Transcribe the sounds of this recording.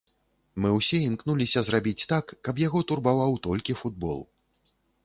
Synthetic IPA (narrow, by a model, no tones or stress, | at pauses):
mɨwsʲɛimknulʲisʲɐzrabʲit͡sʲt̪akːɐpjaɣɔt̪urbavawt̪ɔlʲkʲifud̪̚bɔ̰lˠ